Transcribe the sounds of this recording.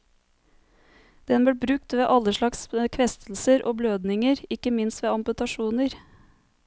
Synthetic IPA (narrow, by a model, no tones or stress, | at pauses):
d̪̥ɛnb̪iːbɾʉk̚t̪ʋeːʔɑləʃlɑkskʰʋɛst̪l̩səɾʔoːbløːd̪nɪŋəɾɪkəmɪnst̪ʋeːɑmpʉt̪ɑʃuːnəɾ